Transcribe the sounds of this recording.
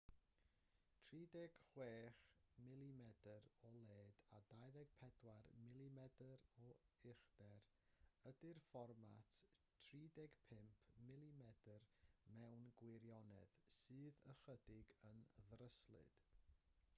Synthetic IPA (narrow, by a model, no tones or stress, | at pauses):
tʰriːdɛɡ̥χweːχmɪlˠimɛdəɾɔlˠeːd̥adajðɛɡ̥̚pʰɛdwarmɪlˠimɛdəɾɔɪχd̥ɛr | ədɪrfɔrmatʰtʰriːdɛɡ̥pʰɪmpʰmɪlˠimɛdərmɛwnɡwɪɾjɔnɛ̰ðsɨːðəχədɪɡənðrəslˠɨ̰d̥